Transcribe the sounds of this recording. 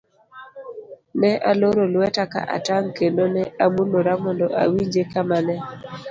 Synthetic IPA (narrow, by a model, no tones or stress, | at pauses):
nɛʔaloɾolwɛtaka̰ʔa̰taŋkendonɛamuloɾamɔndɔʔa̰wiɲd͡ʒekamanɛ